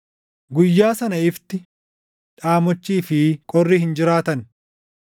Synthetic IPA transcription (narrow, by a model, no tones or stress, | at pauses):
ɡʊjːaːsɐnɐɪft̪ɪ | ᶑaːmɔt͡ʃːiːfɪkʼɔrːiːhɪnd͡ʒɪɾaːt̪ɐn